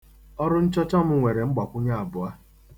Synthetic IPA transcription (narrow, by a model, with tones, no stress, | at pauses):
ɔ˦ɾʊ˦n̩˦t͡ʃɔ˦t͡ʃa˦mʊ˦ŋʷe˨ɾe˨ŋ͡m̩˦ɡ͡ba˨kʷʊ˦ɲa˦a˨bʊ˨a˦